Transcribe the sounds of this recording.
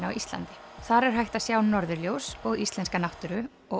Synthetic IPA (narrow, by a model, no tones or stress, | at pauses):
awʔist̪la̰nt̪ɪ̥θaɾɛɾ̥ɦajht̪asjaːwnːɔɾðʏɾljowsɔðist̪lɛnskanaht̪ʏɾʏ | ɔ